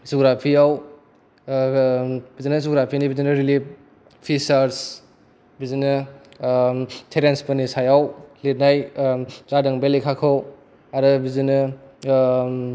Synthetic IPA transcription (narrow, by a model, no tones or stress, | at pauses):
zoɡɾapʰiaw | b̥izinɐzoɡɾapʰinibizinɐɾilip̚ | pʰisaɾs | bizinɯ | tʰeɾenspɐnisajawlet̚najzadɐŋbelekʰakʰaw | aɾɯbizinɯ